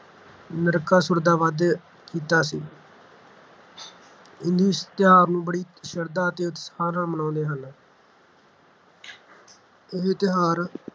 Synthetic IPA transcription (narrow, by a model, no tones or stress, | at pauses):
nəɾəkaːsʊɾd̪aːʋaːd̪ | kiːt̪aːsiː | ɪ̃nd̪uːst̪ɪɦaːɾnũːbəɽiːt̪ʃəɾd̪aːət̪eːʊt̪ːsaːɾãːmənãːnd̪eːɦən | ɪɦt̪ɪɦaːɾ